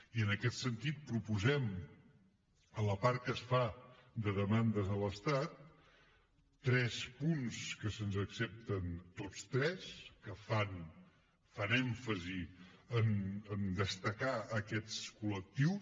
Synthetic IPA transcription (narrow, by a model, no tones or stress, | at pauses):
iənəkɛt̪sənt̪it̪̚pɾupuzɛm | ələpaɾ̚kəsfad̪əðəmand̪əzələst̪at̪ | ɾɛspunskəsənzəksɛp̚t̪ənt̪ot͡st̪ɾɛskəfan | fanɛɱfəziənənd̪əst̪əkaəkɛtt͡skulək̚t̪iw